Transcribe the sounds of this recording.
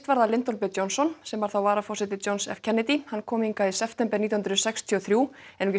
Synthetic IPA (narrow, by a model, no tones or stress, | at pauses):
t̪vaɾðalɪnt̪ɔlpɛjɔwnsɔnsɛmvaɾ̥θawvaːɾafɔ̥sɪt̪ɪt͡ɕownsɛ̰fcʰɛnɪt̪ihankʰɔːmiŋkaisɛpʰt̪ɛmpɛɾniːahnɾʏsɛkst̪ʰiɔθɾjuːɛnucɪ